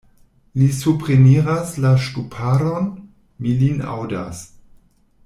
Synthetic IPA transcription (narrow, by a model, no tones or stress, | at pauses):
lisupɾimiɾaslaʃtupʰaɾon | milina̰wda̰s